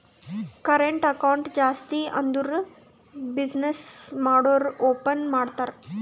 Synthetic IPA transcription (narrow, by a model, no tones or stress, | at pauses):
kəɾeɳʈəkawuɳʈd͡ʑast̪iːʔənd̪uɾ | bid͡ʑnesmaɽoɾopənmaɽt̪aɾ